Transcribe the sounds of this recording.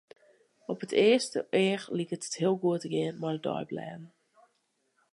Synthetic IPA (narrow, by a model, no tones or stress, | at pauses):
ɔpətʰɪəstə̰ʔɪəxlikətə̥thiəlˠɡuətəɡɪənmɔədɔ̰jblɛ̰ːn